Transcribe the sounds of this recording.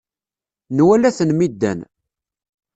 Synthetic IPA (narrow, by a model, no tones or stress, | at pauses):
nwælæθənmid̪ːæ̰n